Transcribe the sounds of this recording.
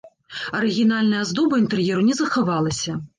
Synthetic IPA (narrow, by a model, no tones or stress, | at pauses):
ɐɾɨɣʲin̪alʲnɐjɐzd̪ɔbɐint̪ɛrjɛɾunʲɛzɐxavalˠɐsʲɐ